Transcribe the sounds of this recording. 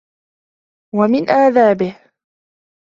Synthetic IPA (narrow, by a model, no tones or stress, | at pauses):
wamɪnʔaːðaːbɪh